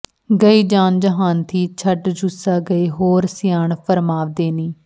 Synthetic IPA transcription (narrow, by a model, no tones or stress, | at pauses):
ɡəiːd͡ʒaːnd͡ʒəɦaːnt̪ʰiːt͡ʃʰəɖd͡ʒʊsaːɡəeːɦoːɾsɪjaːɳpʰəɾmaːʋd̪eːniː